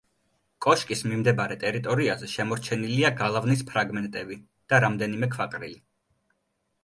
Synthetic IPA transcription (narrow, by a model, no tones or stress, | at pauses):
kʼɔʃkʼismimd̪ɛbaɾɛt̪ʼɛɾit̪ʼɔɾiazɛʃɛmɔɾt͡ʃʰɛniliaɡalˠavnispʰɾaɡmɛnt̪ʼɛbi | d̪̥aɾamd̪ɛnimɛkʰvakʼɾḭli